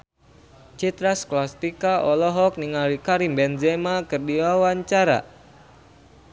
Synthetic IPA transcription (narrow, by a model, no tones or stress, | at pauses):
t͡ʃit̪ɾasklast̪ikaʔɔlɔɦɔk̚niŋalikaɾimbɛnzemakɨrdiwawaɲt͡ʃaɾa̰